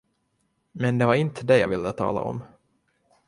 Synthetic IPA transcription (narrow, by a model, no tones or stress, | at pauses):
mɛnd̪ɛvaɾɪnt̪ʰəd̪ɛjɑ̰ːvɪld̪ət̪ʰɑ̰ːla̰ʔɔ̰m